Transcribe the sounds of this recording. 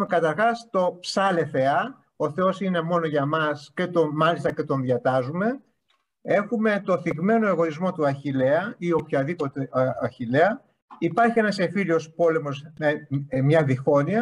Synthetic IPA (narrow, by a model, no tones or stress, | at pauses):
mekɐt̪ɐɾxɐst̪o̞psɐle̞θe̞ɐ | o̞θe̞osine̞mo̞no̞ʝɐmɐsce̞t̪omɐlist̪ɐce̞t̪o̞nðʝɐt̪ɐzume̞ | e̞xume̞t̪o̞θiɣme̞no̞eɣo̞izmo̞t̪uɐçile̞ɐio̞pçɐðipo̞t̪e̞ɐçileɐ | ipɐɾçie̞nɐse̞filiospo̞le̞mo̞semɲɐðixo̞niɐ